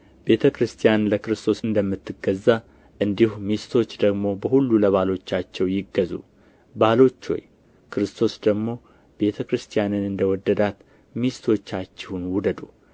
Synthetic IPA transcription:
be̞t̪ʰəkɾɨst̪ʰijanləkɨɾɨst̪ʰo̞sɨnd̪əmːɨt̪ʰːɨɡəzːa | ʔɨnd̪ihumist̪ʰo̞t͡ʃːd̪əɡmo̞bəhulːuləβalo̞t͡ʃːat͡ʃːɛwjɪɡːəzṵ | balo̞t͡ʃːo̰j | kʰɨɾɨst̪ʰo̞sd̪əɡmo̞ | be̞t̪ʰəkɾɨst̪ʰijanɨnɨnd̪əwɔd̪ːəd̪at̪ | mist̪ʰo̞t͡ʃːat͡ʃːɛhunwud̪əd̪u

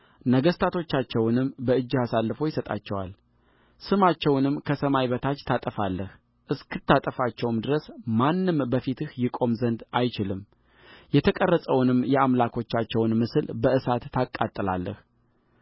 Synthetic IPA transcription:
nəɡəst̪ʰat̪ʰo̞t͡ʃːat͡ʃːɛwnɨmbəɨd͡ʒːiasalːɨfo̞jɪsət̪ʼa̰t͡ʃːɛwa̰l | sɨmat͡ʃːɛwnɨmkʰəsəmajβət̪ʰat͡ʃːt̪ʰat̪ʼəfalːəh | ʔɨskɨt̪ʰːat̪ʼəfat͡ʃːɛwmd̪ɨɾəsmanːɨmbəfit̪ʰɨhjɪkʼo̞mzənd̪ajt͡ʃɪlɨm | jɛt̪ʰəkʼərːəsʼəwnɨmjɛamlakʰo̞t͡ʃːat͡ʃːɛwnmɨsɨlbəʔɨsat̪ːakʼːat̪ʼːɨla̰lːə̰h

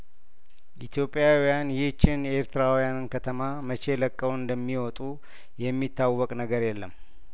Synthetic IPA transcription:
ʔit̪ʰjo̞pʼːjawijanjt͡ʃːɪnjeɾt̪ʰɨɾawijanɨnkʰət̪ʰəmamət͡ʃe̞ləkʼːəwɨnd̪əmːiwɔt̪ʼu | jɛmːit̪ːawːɔkʼnəɡəɾjɛlːəm

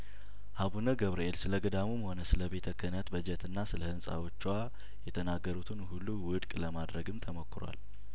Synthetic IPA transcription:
haβunəɡəβɾelsɨləɡəd̪amumho̞nəsɨləbe̞t̪ʰəkʰːənət̪bəd͡ʒət̪ɨnːasɨləhɨnsʼa̰wo̞t͡ʃːwa | jɛt̪ʰənaɡːəɾut̪ʰɨnhulːuwʊd̪kʼləmad̪ɾəɡɨmt̪ʰəməkːɨɾwa̰l

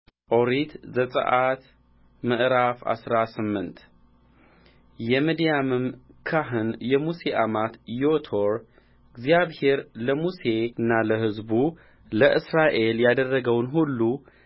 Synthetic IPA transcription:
ʔoɾit̪zəsʼə̰ʔat̪ | məʔɾafa̰sɾasɨmːɨnt̪ | jɛmid̪ijamɨmkʰaɦɨnjɛmuse̞ʔamat̪jot̪ʰoɾ | ɨɡzijaβhe̞ɾləmuse̞ɨnːaləɦɨzbu | ləʔɨsɾaʔe̞ljad̪ərːəɡəwnɦulːu

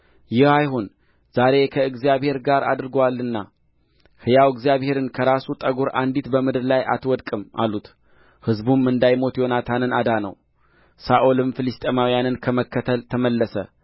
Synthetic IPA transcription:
jɪhajhon | z̥aɾe̞kʰəɨɡzijaβhe̞ɾɡaɾa̰d̪ɾɨɡwalːɨnːa | hɨjawɨɡzijaβhe̞ɾɨnkʰəɾasut̪ʼəɡoɾa̰nd̪it̪bəmɨd̪ɨɾlaja̰t̪wɔd̪kʼɨmʔa̰lut̪ | hɨzbumːɨnd̪ajmo̞t̪jo̞nat̪ʰanɨnad̪anə̰w | saʔolɨmfɨlist̪ʼemawijanɨnkʰəməkːət̪ʰəlt̪ʰəməlːəsə̰

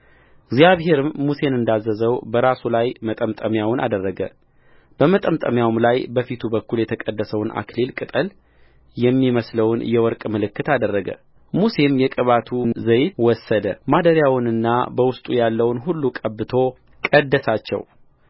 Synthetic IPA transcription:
ɪɡzjaβɦe̞ɾɨmːuse̞nɨnd̪azːəzəwbəɾasulajmət̪ʼəmt̪ʼəmjawʊna̰d̪ərːəɡə̰ | b̥əmət̪ʼəmt̪ʼəmjawmlajbəfit̪ʰubəkːuljɛt̪ʰəkʼəd̪ːəsəwnʔa̰klelkʼɨt̪ʼəl | jɛmːiməsləwnjɛwɔɾkʼmɨlɨkːɨt̪ad̪ərːəɡə̰ | muse̞mjɛkʼɨβat̪ʰuzəjwɔsːəd̪əmad̪əɾjawʊnɨnːa̰bəwʊst̪ʼujalːəwnɦulːukʼəbːɨt̪ʰo̞ | kʼəd̪ːəsat͡ʃːɛ̰w

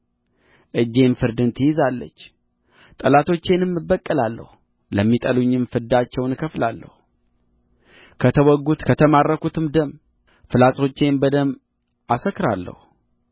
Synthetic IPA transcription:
ʔɨd͡ʒːe̞nfɨɾd̪ɨnt̪ʰɨjɪzalːə̰t͡ʃː | t̪ʼəlat̪ʰo̞t͡ʃːe̞nɨmːɨbːəkʼːəlalːə̰hu | ləmːit̪ʼəluɲːɪmfɨɾd̪at͡ʃːɛwnkʰəflalːə̰hu | kʰət̪ʰəwɔɡːut̪kʰət̪ʰəmarːəkut̪ʰɨmd̪əm | fɨlasʼo̞t͡ʃːe̞nbəd̪əm | ʔasəkːɨɾalːə̰hu

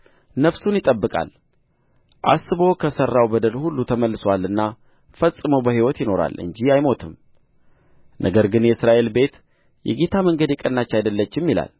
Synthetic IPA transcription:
nəβsunjɪt̪ʼəbːɨkʼa̰l | ʔa̰sɨβo̞kʰəsərːawbəd̪əlhulːut̪ʰəməlːɨswalɨnːa | fəsʼɨməwbəɦiwɔt̪jɪno̞ɾa̰lɨ̰ɲd͡ʒiajmo̞t̪ʰɨm | nʔə̰ɡəɾɡɨnjɛɨsɾaʔe̞lbe̞t̪ | jɛ̰ɡe̞t̪ʰaməŋɡəd̪jɛkʼənːat͡ʃːajd̪əlːət͡ʃːɪmːila̰l

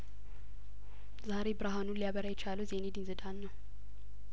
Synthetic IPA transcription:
zaɾebɨɾaɦanulijaβəɾajɛt͡ʃaləzened̪inzɨd̪anːəw

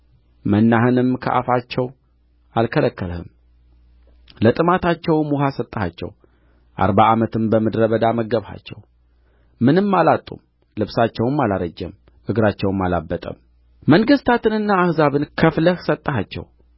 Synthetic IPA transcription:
mənːaɦɨnɨmkʰə̰ʔa̰fat͡ʃːɛw | alkʰələkːəlhɨ̰m | lət̪ʼɨmat̪at͡ʃːɛwmuɦasət̪ʼːəha̰t͡ʃːɛ̰w | ʔa̰ɾbaʔamət̪ʰɨmbəmɨd̪ɾəβəd̪aməɡəβha̰t͡ʃːɛw | mɨnɨmːalat̪ʼːṵm | lɨβsat͡ʃːɛwɨmːalaɾəd͡ʒːɛ̰m | ʔɨɡɾat͡ʃːɛwɨmːalabːət̪ʼə̰m | məŋɡɨst̪ʰat̪ɨnɨnːaːhzaβɨnkʰəfləhsət̪ʼːəɦat͡ʃːɛ̰w

